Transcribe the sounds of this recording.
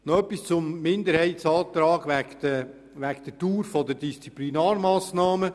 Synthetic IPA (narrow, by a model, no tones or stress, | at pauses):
nɔœpːist͡sʊmːɪnd̪əɾhɛɪtsɑːt̪ɾɑːɡʋæk̪ə | ʋæɡd̥̪ətuːɾfɔd̪əɾdist͡siplinaːɾmɑːsnɑːmə